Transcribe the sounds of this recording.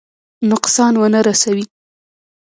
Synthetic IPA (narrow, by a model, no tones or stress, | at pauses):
nʊqsɑnwənəɾasawi